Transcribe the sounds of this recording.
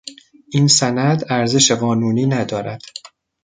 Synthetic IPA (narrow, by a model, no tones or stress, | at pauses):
ʔinsænæd̪æɾze̞ʃeɣɒːnuːniːnæd̪ɒːɾæd̪̥